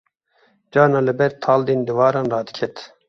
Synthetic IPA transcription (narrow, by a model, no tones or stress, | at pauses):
d͡ʒɑːnɑːlɨbɛɾt̪ʰɑːld̪eːnd̪ɨvɑːɾɑːnrɑːd̪ɨ̥kʰɛt̪